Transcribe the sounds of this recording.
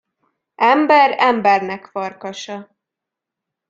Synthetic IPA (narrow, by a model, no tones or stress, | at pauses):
ʔɛmbɛɾɛmbɛrnɛkfɒrkɒʃɒ